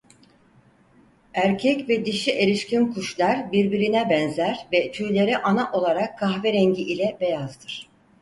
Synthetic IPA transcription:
æɾcʰɛcvɛd̪iʃiʔe̞ɾʲiʃcinkʰuʃlˠaɾbiɾbiɾinɛbɛnzæɾvɛt̪ʰyjlʲe̞ɾiʔanaʔo̞lˠaɾakʰːaxvɛɾɛɲɟiʔilʲɛbe̞jazd̪ɯɾ̥

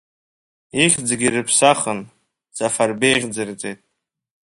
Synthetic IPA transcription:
iχʲd͡zɡʲirɨpʰsaχən | d͡z̥afarbejʁʲd͡zɨrt͡sʼejtʼ

